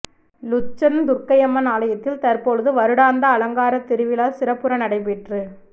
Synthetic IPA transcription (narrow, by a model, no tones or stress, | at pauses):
lʊt͡ʃːɐɾnd̪ʊrkɐjɐmːɐnaːlɐjɐt̪ːɪlt̪ɐɾpoːɭðɯʋɐɾɯɽaːnd̪ɐːlɐŋɡaːɾɐt̪ːɪɾɯʋɪlaːsɪɾɐpːɯɾɐnɐɽɐɪpɛʈrɯ